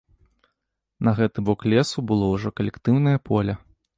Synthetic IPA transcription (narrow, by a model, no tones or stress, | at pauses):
nɐɣɛt̪ɨbɔklʲɛsubɨlˠɔwʐɔkɐlʲɛkt̪ɨwnɐjɐpʰɔlʲɐ